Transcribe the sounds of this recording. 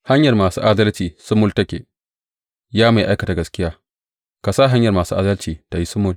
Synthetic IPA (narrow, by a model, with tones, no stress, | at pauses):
ha˦ɲjɐ˨rmaː˨sṵː˦ʔa˦dɐ˦lt͡ʃiː˨sʊ˦mʊ˦ltɐ˦kʲḛː˨ | jaː˦ma˨jʔa˦jkɐ˨ta˨ɡɐ˨skʲɪ˦jaː˦ | ka˨saː˦ɦa˦ɲjɐ˨rmaː˨suː˦ʔa˦dɐ˦lt͡ʃiː˨ta˨ji˦sʊ˦mʊ˦l